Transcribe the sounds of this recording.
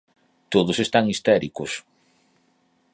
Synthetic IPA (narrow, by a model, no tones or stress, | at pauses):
t̪oðʊsest̪aŋist̪ɛɾikʊs